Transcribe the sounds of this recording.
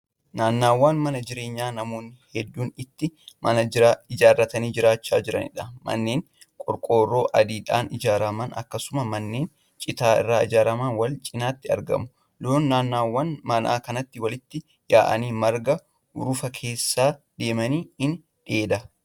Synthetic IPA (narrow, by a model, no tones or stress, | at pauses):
naːnːaːwːaːnmɐnɐd͡ʒɪɾe̞ːɲːaːnɐmoːnːɪhɛd̪ːuːnɪt̪ːɪmɐnɐaɪd͡ʒaːrːɐt̪ɐniːd͡ʒɪɾaːt͡ʃːa̰ːd͡ʒɪɾɐ̰nɪ̰ᶑɐmɐ̰nːe̞ːŋ | kʼɔɾkʼo̞ːrːo̞ːʔɐd̪iːᶑaːnɪd͡ʒaːɾɐmɐnɐ̰kːɐsʊmɐmɐnːe̞ːn | t͡ʃʼɪt̪aːɪ̰rːaːɪd͡ʒaːɾɐmaːnwɐlt͡ʃʼɪnaːt̪ːɪɐ̰ɾɡɐ̰mʊ | loːnːaːnːaːwːɐnmɐnʔa̰ːkɐnɐt̪ːɪwɐlɪt̪ːɪ | jaːʔɐ̰niːmɐɾɡɐ | ʊ̰ɾʊfɐkʰe̞ːsːaːd̪̥e̞ːmɐniːɪn | ᶑeːd̪ɐ